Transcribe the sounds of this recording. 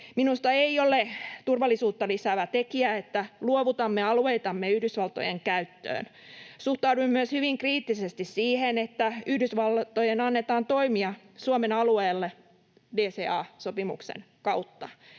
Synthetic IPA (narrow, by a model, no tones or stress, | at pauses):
minust̪ɑeiolet̪urʋɑlːisuːt̪ːɑlisæʋæt̪ekiæet̪ːæluoʋut̪ɑmːeɑlueit̪ɑmːeyhdysʋɑlt̪o̰jeŋkæyt̪ːø̰ːn | suht̪ɑuduimmyøshyʋiŋkriːt̪ːisest̪issiːhenet̪ːæyhdysʋɑlt̪ojenɑnːet̪ɑːnt̪o̞imiɑ | suomenɑlueːlːe | deːseːɑːsopimṵksḛn | kɑut̪ːɑ